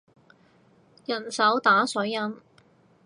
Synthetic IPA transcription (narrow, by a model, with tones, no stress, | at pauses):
jɐ˨˩nsɐ˨˥wt̪aː˨˥sɵː˨˥ɐ˥n